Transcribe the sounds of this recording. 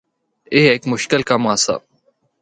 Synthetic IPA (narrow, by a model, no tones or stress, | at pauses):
eːeːkmʊʃkɪlkaːmaːsa̰ː